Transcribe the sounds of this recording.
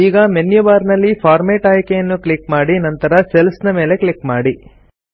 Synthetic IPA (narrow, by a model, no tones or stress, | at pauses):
iːɡɐmenjuʋaːɾnɐlːipʰaːɾmeːʈaːjkejɐnːukɭikmaːɽinɐnt̪ɐɾɐselsnɐme̞ːle̞kɭikmaːɽi